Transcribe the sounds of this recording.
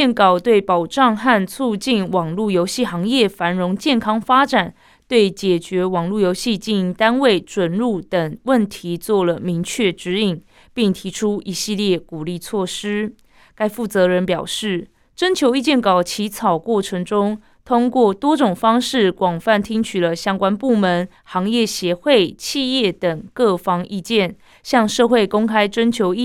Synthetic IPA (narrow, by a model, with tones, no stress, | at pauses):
ɛ˥˩nkɑ˨˩ʊt̪we˥˩ɪpɑ˨˩ʊʈ͡ʂɑ˥˧ŋxa˥˧nt͡sʰu˥˧t͡ɕi˥˩nwɑ˨˩ŋlu˥˩jo˧˥ʊɕi˥˩xɑ˧˥ŋjɛ˥˩fa˧˥nɻʊ˧˥ŋt͡ɕjɛ˥˩nkʰɑ˥ŋfa˥ʈ͡ʂa˨˩n | t̪we˥˩ɪt͡ɕjɛ˨˩t͡ɕɥɛ˧˥wɑ˨˩ŋlu˥˩jo˧ʊɕi˥˧t͡ɕi˥˩ni˧˥ŋt̪a˥nwe˥˩ɪʈ͡ʂwə˨˩nɻu˥˩t̪ə˨˩ŋwə˥˨nt̪ʰi˧˦t͡swɔ˥˩lə˩mi˧˥ŋt͡ɕʰɥɛ˥˩ʈ͡ʂɻ̩˧˥i˨˩ŋ | pi˥˩ŋt̪ʰi˧˥ʈ͡ʂʰu˥i˧˥ɕi˥˧ljɛ˥˩ku˨˩li˥˩t͡sʰwɔ˥˩ʂɻ̩˥ | ka˥ɪfu˥˩t͡sɤ˧˦ɻə˧˦npjɑ˨˩ʊʂɻ̩˥˩ | ʈ͡ʂə˥nt͡ɕʰjo˧˥ʊi˥˧t͡ɕjɛ˥˩nkɑ˨˩ʊt͡ɕʰi˧˥t͡sʰɑ˨˩ʊkwɔ˥˩ʈ͡ʂʰə˧˥ŋʈ͡ʂʊ˥ŋ | t̪ʰʊ˥ŋkwɔ˥˨˩t̪wɔ˥ʈ͡ʂʊ˨˩ŋfɑ˥ŋʂɻ̩˥˩kwɑ˨˩ŋfa˥˩nt̪ʰi˥ŋt͡ɕʰy˨˩lə˦ɕjɑ˥ŋkwa˥npu˥˩mə˧˦n | xɑ˧˥ŋjɛ˥˩ɕjɛ˨˧˥xwe˥˩ɪt͡ɕʰi˥˧jɛ˥˩t̪ə˨˩ŋkɤ˥˩fɑ˥ŋʔi˥˧t͡ɕjɛ˥˨n | ɕjɑ˥˧ŋʂɤ˥˧xwe˥˩ɪkʊ˥ŋkʰa˥ɪʈ͡ʂə˥nt͡ɕʰjo˧˥ʊi˥